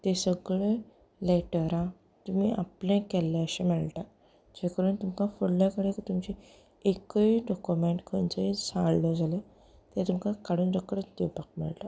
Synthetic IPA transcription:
t̪esəɡɭe | leʈəɾa | t̪umiːʔaplẽkɛlːeəɕemiɭʈa | d͡ʑekəɾuːnt̪umkafuɽlakəɽẽkit̪umt͡ɕi | ekəiɖɔkumeɳʈkʰənt͡səesãɭləd͡zʱale | t̪jat̪umkakaɽuːndəkːəɾəd̪iʋpak̚mḭɭʈa

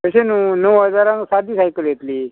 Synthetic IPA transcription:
təɕenunəwɦəd͡zaɾãŋsad̪ʱiːsajkəljet̪liː

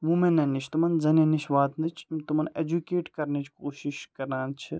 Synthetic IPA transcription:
mumenːɐnːit͡ʃʰt̪umɐnzɐnɐniʃʋaːt̪nɐt͡ʃʰmt̪umɐned͡ʒukeːʈkɐɾnet͡ʃʰkoːʃiʃkɐɾnaːnt͡ʃʰi

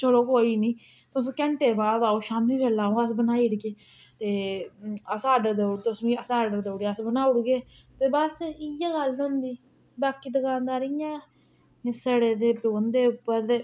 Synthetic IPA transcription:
t͡ʃəloːkoːiːnĩː | t̪ʊsːkɛ̃ɳʈeːbaːd̪aːoːʃaːmiːbeːlaːõːəsbənaːiːɽkeː | t̪eː | əsaːɖəɾd̪əɽt̪ʊsʋĩːəsaːɖəɾd̪eɽiəsbənaːʊɽɡeː | t̪eːbəsɪjãːɡəlnɦʊ̃nd̪iː | baːkiːd̪əkãːnd̪aːɾɪjãː | səɽeːd̪eːpoːnd̪eːʊpːəɾd̪eː

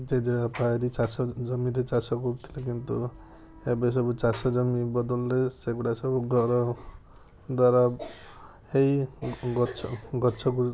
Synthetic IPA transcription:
d͡ʒed͡ʒeapaeɾit͡ʃasɔd͡ʒɔmiɾet͡ʃasɔkɔɾut̪ʰi̥lekint̪u | ebes̬ɔbut͡ʃasɔd͡ʒɔmibɔd̪ɔlɔɾeseɡuɽasɔbuɡʱɔɾɔ | d̪waɾa | hejɡɔt͡ʃʰɔɡɔt͡ʃʰɔku

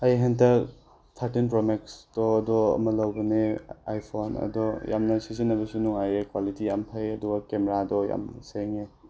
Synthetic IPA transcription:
ɐjɦentɐ | t̪ʰaɾtinpɾomeksd̥ɔɐdɔɐ̰mɐlɐwbɐnea̰jpʰonɐ̰dɔja̰mnɐsizinːɐbɐsunuŋajekwalitiampʰɐjɐduɡɐkemeɾadɔja̰mnseŋe

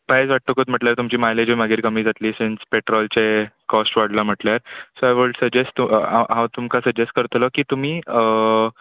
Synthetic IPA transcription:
paɦed͡zʋaʈ̚t̪okot̪m̤əʈljaɾt̪umt͡ɕiːmajled͡ʑimaɡʱiɾkəmiːd͡zat̪liːsent͡speʈɾɔlt͡sekɔsʈʋaɽlam̤əʈljaɾsoajʋəɭʈsəd͡ʑesʈt̪uaɦãt̪umkasəd͡ʑesʈ̚kəɾt̪lɔkiːt̪um̤iːə

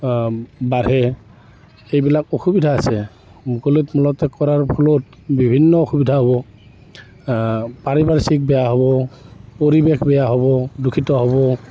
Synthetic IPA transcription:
baɹɛ | ejbilakoxubidʱaːsɛ | mukolitmulɔtɛkɔɹaɹpʰɔlot̚ | bibʱinːɔoxubidʱaɦɔβɔ | paɹibaɹsik̚bɛjaɦɔβɔpoɹibekbɛjaɦɔβɔdukʰitɔɦɔβɔ

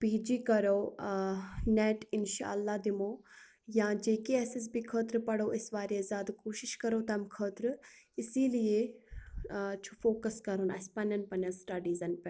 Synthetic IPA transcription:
piːd͡ʒiːkɐɾoː | nɛːʈɪnʃa̰ːɐlːaːd̪ɪmoː | jãːd͡ʒeːkiɛːsɪs̬bʱikʰəːt̪ɾpɐɽoːɪsʋaːɾezaːd̪koːʃɪʃkɐɾoːt̪ɐmkʰəːt̪ɾɪsiːlie | t͡ʃʰufoːkəskɐɾonɐ̰spɐnɐnpɐnɐ̃sʈaːɖiːzɐnpɛ

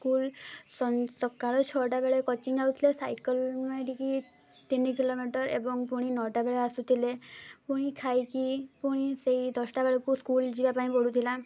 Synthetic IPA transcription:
skulsɔsɔkaɭɔt͡ʃʰɔʈabeɭekɔt͡ʃiŋawt̪ʰilesajkɔlmaʈiki | t̪inːik̬ilomiʈɔɾḛbɔŋpuɽ̃inɔʈabeɭeasut̪ʰilepuɽ̃ikʰajkipuɽ̃iseid̪ʱɔsʈabeɭɔkuskuld͡ʒibapaĩpɔɽut̪ʰila

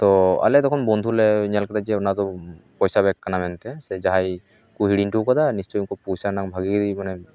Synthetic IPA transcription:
t̪ɔa̰lɛd̪ɔkʰɔnbɔnd̪ʱulɛɲalkad̪ad͡ʒɛɔnad̪ɔpɔjsabɛkːanamɛnt̪ɛsɛd͡ʒaɦaj | kuɦiɽinʈukɔd̪anist͡ʃɔjŋkɔpujsanakbʱaɡikid̪imanɛ

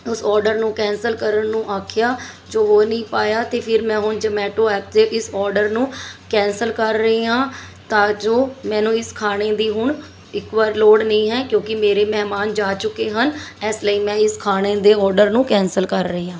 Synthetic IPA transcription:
ʊsɔːɾɖəɾnũːkɛ̃ːnsəlkəɾəɳnũːʔaːkʰjaː | d͡ʒoːoːnəĩːpaːjaːt̪eːpʰɪɾmɛ̃ːɦʊɳd͡ʒəmɛːʈoːɛːp̚d̪eːʔɪsɔːɾɖəɾnũːkɛ̃ːnsəlkəɾːəiːãː | t̪ãːd͡ʒoːmɛ̃ːnũːɪskʰaːɽ̃eːd̪iːɦʊɳ | ɪkʋaːɾloːɽnəĩːɦɛːkjõːkɪmeːɾeːmɛːmaːnd͡ʒaːt͡ʃʊkːeːɦənɛːsləiːmɛ̃ːɪskʰaːɽ̃eːd̪eːɔːɾɖəɾnũːkɛ̃ːnsəlkəɾːəeːãː

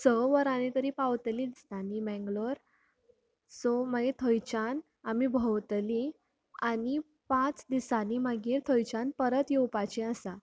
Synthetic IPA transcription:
səʋəɾanet̪əɾiːpawt̪lid̪ist̪animɛ̃ŋɡloɾ | somaɡet̪ʰəjt͡ɕan | amibʱəwt̪li | ani | pãt͡sd̪isanimaɡiːɾt̪ʰojt͡ɕanpəɾət̪jewpat͡ɕĩəsa

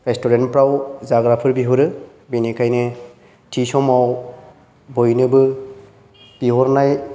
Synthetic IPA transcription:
ɾestɔɾenpɾawzaɡɾapʰɯɾbiɦɔɾɯ | binekʰajne | tʰisɔmaw | bɔjnɯbɯ | b̥iɦɔɾnaj

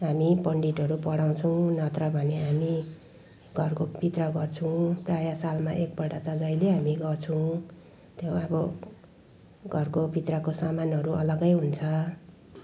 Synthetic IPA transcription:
ɦamipʌɳɖiʈɦʌɾupʌɽaw̃t͡sʰʌw̃nʌt̪rʌbʱʌneɦami | ɡʱʌrkobʱit̪rʌɡʌrt͡sʰũprajasalmaʔek̚pʌɽat̪ʌd͡zʌjleɦamiɡʌrt͡sʰʌw̃ | t̪joʌbʌ | ɡʱʌrkobʱit̪rʌkosamanɦʌɾuʔʌ̰lʌɡʌjɦunt͡sʰʌ

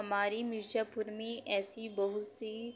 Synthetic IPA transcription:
ɐmaːɾimɪɾd͡ʒaːpʊɾmẽʔɛːsibɐɦʊt̪si

